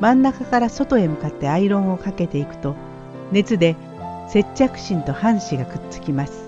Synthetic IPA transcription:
mãnːakakaɾaso̞t̪o̞e̞mɯ̟kat̪ːe̞aiɾõ̞ɰ̃o̞kake̞t̪e̞ikɯ̟̥t̪o̞ | ne̞t͡sɨd̪e̞ | se̞t͡ɕt͡ɕːakɯ̟̥ɕĩnt̪o̞hãɰ̃ɕiɡakɯ̟̥t͡sɨ̥kʲimasɨ̥

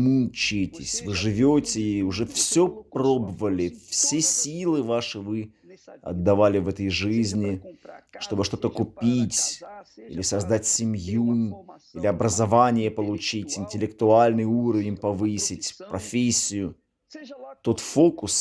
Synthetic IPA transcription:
mut͡ɕɪtʲɪsʲvɨʐɨvʲotʲɪiʊʐɛfsʲoprobəvəlʲɪfsʲesʲilˠɨvaʂɨvɨ | ɐ̰d̪ːɐvalʲɪvɛt̪əjʐɨzʲnʲɪʂt̪o̞bɨʂt̪o̞t̪əkʊpʲitʲḭlʲɪsɐzd̪atʲsʲɪmʲjuilʲɪɐbɾəzɐvanʲɪjəpəlˠʊt͡ɕitʲɪnʲtʲɪlʲɪkt̪ʊalʲnɨjuɾəvʲɪnʲpɐvɨsʲɪtʲpɾɐfʲesʲːɪjʊ | t̪o̞t̪fo̞kʊs

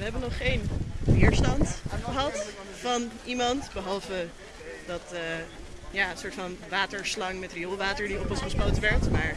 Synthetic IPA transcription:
ʋəɦɛbənɔχːejnvɪːɹstɑntχəɦɑt | fɑnʔimɑntbəɦɑlˠvə | dɑtə | jaːənsʊːɹtfɑnʋaːtəɹslɑŋmɛtriolˠʋaːtəɹdiɔpɔnsχəsbowtʋɛɹtmaːɹ

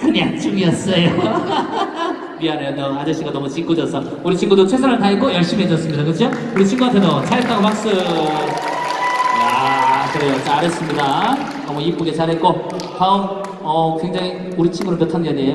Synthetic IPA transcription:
kɯnjak̚t͡ɕ͈ʰumiʌs͈ʌjo | mianejonʌad͡ʑʌɕ͈ʰiŋɡanʌmut͡ɕiŋɡudʌsʰʌ | uɾit͡ɕʰiŋɡudot͡ɕʰwesʰaɾɯɭt̬aik͈ojʌɭɕ͈imiɦed͡ʑʌs͈ɯmɲidakɯt͡ɕd͡ʑʰo | uɾit͡ɕʰiŋɡuɡatʰedot͡ɕʰaɾɦet͈aŋpak̚s͈ɯ | akɯɾe̞jot͡ɕaaɾʌs͈ɯmɲida | ʌmuip͈oɡet͡ɕaɾɦet̚k͈o | taom | ʌkwe̞ŋd͡ʑaŋi | uɾit͡ɕʰiŋɡuɾɯɭmjʌtʰanɡeɲejo

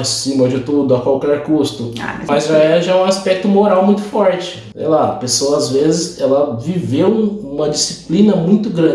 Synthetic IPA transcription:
sĩmɐd͡ʒɪt̪ud̪ʊɐkwawkɛɾkust̪ʊa̰mɐzʒaɛʒaũaspɛk̚t̪ʊmoɾawmũj̃t̪ʊfɔɾt͡ʃɪ̥ | sḛjlaɐ̰pesoɐazvezɪzɛlɐvivewũmɐd͡ʒisi̥plĩnɐmũj̃t̪ʊɡɾɐ̃

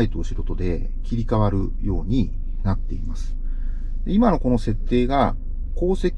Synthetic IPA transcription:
it̪oːɕiɾo̞t̪o̞d̪e̞ | kʲiɾʲikaβaɾɯ̟jo̞ːɲ̟i | nat̪ːe̞imasɨ̥ | d̪eimano̞ko̞nose̞t̪ːe̞ːɡa | ko̞ːse̞kʲ

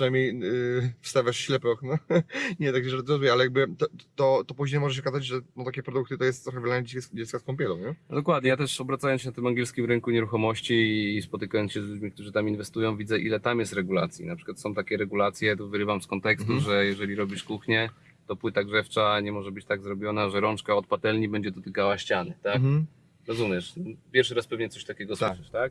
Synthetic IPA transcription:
pʂɨnajmʲɲej | fst̪avʲjaʂɕlɛpɔxnɔɲɛt̪aɡɛɾɔzumʲjɛalɛjaɡ̚bɘt̪ɔt̪ɔt̪ɔpuʑɲejmɔʐɛɕ̬ɔkazad͡ʑʐɛnɔt̪akʲɛpɾɔd̪uk̚t̪ɨt̪ɔjɛst̪ːɾɔxɛvlaɲɛd͡ʑd͡ʑɛt̪skaskɔmpʲjɛlɔwɲɛd̪ɔkwad̪̚ɲɛjat̪ɛʂɔbɾat̪sajɔnɕɛnat̪ɘmaŋɡʲɛlskʲimɾɘŋkuɲɛɾuxɔmɔɕt͡ɕispɔt̪ɘkajɔnsɕɛzlud͡ʑmʲik̚t̪uʐɨt̪aminvɛst̪ujɔ̃w̃vʲid̪zɛʔilɛt̪amjɛst̪ɾɛɡula̰t̪sʲjḭnapʂɘ̥kwat̪sɔ̃w̃t̪akʲɛɾɛɡulat̪sʲjɛt̪ɔvɘɾɘvamskɔnt̪ɛkst̪uʐɛjɛʐɛlʲiɾɔbʲiʂkuxɲɛ | t̪ɔpwɘt̪aɡʐɛft͡ʂaɲɛmɔʐɛbɘt͡ɕt̪aɡzɾɔbʲjɔnaʐɛɾɔnt͡ʂkaɔt̪̚pat̪ɛlɲibɛɲd͡ʑɛd̪ɔt̪ɘkawaɕt͡ɕanɨt̪ak | ɾɔzumʲjɛʂpʲjɛɾfʂɘɾaspɛvɲɛt̪sɔɕt̪akʲɛɡɔswɘʂɛʂt̪ak̚

